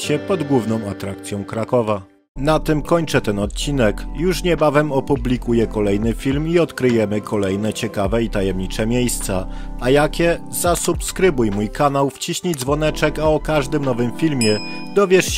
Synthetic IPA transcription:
ɕɛpɔd̪ɡwuvnɔ̃w̃at̪ɾakt̪sʲjɔ̃w̃kɾakɔva | nat̪ɘmkɔɲt͡ʂɛt̪ɛnɔt̪̚t͡ɕinɛkjuʂɲɛbavɛmɔpublʲikujɛkɔlɛjnɘfʲilmiɔt̪kɾɘjɛmɘkʰɔlɛjnɛt͡ɕɛkavɛit̪ajɛmɲit͡ʂɛmʲjejst̪sa | ajakʲɛ | zasupskɾɘbujmujkanawft͡ɕiɕɲidzvɔnɛt͡ʂɛkaɔkaʐd̪ɘmnɔvɘmfʲilmʲjɛ | d̪ɔvʲjɛʂt͡ɕ

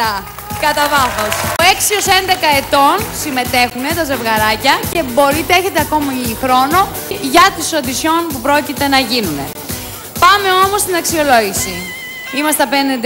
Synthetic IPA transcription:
ɐ | kɐt̪ɐvɐθo̞soe̞ksio̞se̞nd̪e̞kɐe̞t̪o̞nsime̞t̪e̞xune̞t̪ɐze̞vɣɐɾɐcɐce̞bo̞ɾit̪eçe̞t̪eɐko̞mixɾo̞no̞ | ʝɐt̪iso̞t̪isço̞npupɾo̞cit̪e̞nɐʝinune̞̰ | pɐme̞o̞mo̞st̪inɐksio̞lo̞ʝisi | imɐst̪ɐpenɐnd̪e

